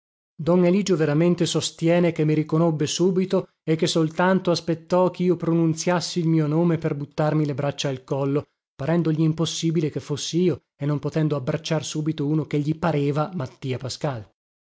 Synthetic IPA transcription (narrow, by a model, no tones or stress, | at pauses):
d̪ɔneliːd͡ʒoveɾament̪esost̪jɛːnekemːiɾikonobːesuːbit̪o | ekːesolt̪ant̪oaspet̪ːɔk̟iːopɾonunt̪sjasːiːlmiːonoːmeperbut̪ːarmilebɾat͡ʃːaːlkɔlːo | paɾɛnd̪oʎiːmposːiːbilekefːosːiiːo | enːompot̪ɛnd̪oabːɾat͡ʃːarsuːbit̪ouːnok̟eʎːipaɾeːvamat̪ːiːapaskal